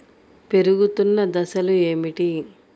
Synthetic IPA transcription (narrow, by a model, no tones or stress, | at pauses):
pe̞ɾuɡut̪unːɐd̪ɐsɐlue̞ːmiʈi